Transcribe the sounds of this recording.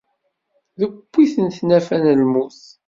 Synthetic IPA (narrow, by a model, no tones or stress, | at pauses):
ðəbːiθənt̪næfænəlmuθ